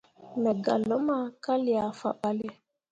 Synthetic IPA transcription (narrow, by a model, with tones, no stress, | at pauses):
nə˨ɡa̰˨lo˦ma˦ka˦li˨a˨fa̰˨ɓa˨le˦